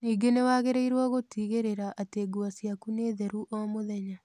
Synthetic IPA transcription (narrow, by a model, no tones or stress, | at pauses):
niːɡenewaːɣeɾeiɾwaɣotiːɣeɾeɾaʔateːɡuasjakuneːðɛɾuʔoamoðɛɲa